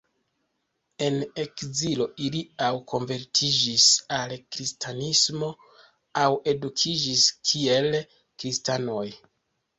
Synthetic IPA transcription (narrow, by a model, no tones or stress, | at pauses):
e̞ne̞kzilo̞ʔiliawkʰo̞nve̞ɾtʰid͡ʒisalkɾistʰanismo̞ | awe̞dukʰid͡ʒiskʰie̞l | kɾistano̞j